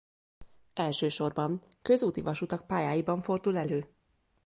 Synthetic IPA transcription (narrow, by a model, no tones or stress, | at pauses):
ɛlʃøːʃo̞rbɒn | kø̞zuːt̪ivɒʃut̪ɒk̚paːjaːjibɒɱfo̞rd̪ulɛløː